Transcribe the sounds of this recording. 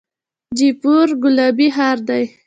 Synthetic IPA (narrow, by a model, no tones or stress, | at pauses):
d͡ʒipuɾɡʊlɑbiɦɑɾd̪aj